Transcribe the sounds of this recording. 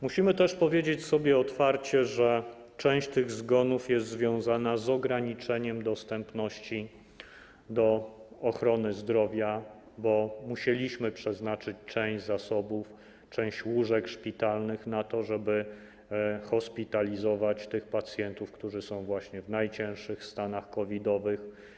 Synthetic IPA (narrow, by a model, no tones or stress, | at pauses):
muɕimɘt̪ɛʂpɔvʲjed͡ʑet͡ɕsɔbʲjɛɔt̪faɾt͡ɕɛʐɛ | t͡ʂɛ̃w̃ɕt͡ɕt̪ɘɣzɡɔnufjɛst̪zvʲjɔ̃w̃zanazɔɡɾaɲit͡ʂɛɲɛmd̪ɔst̪ɛmpnɔɕt͡ɕi | d̪ɔɔxɾɔnɘzd̪ɾɔvʲja | bɔmuɕelʲiɕmɘpʂɛznat͡ʂɘt͡ɕt͡ʂɛ̃w̃zasɔbuf | t͡ʂɛ̃w̃ɕt͡ɕwuʐɛkʂpʲit̪alnɘxnat̪ɔʐɛbɘ | xɔspʲit̪alʲizɔvat͡ɕt̪ɘxpat̪sʲjɛnt̪ufkt̪uʐɘsɔ̃w̃vwaɕɲɛvnajt͡ɕɛ̃w̃ʂɘxst̪anaxkɔvʲid̪ɔvɘx